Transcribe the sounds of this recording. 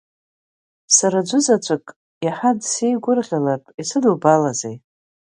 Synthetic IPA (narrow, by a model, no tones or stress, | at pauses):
saɾad͡ʒʷʊzat͡ʃʷʰʼakʼ | jaħadsejɡʷʊrʁʲalartʼisɨdubalazej